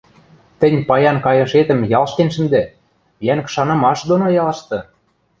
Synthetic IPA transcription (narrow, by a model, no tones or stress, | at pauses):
t̪ɘ̆nʲpɑjɑnkɑjɤ̆ʃet̪ə̆mjɑlˠʃt̪enʃə̆nd̪æ | jæŋkʃɑnɤ̆mɑʃd̪onojɑlˠɤ̆ʃt̪ɤ̆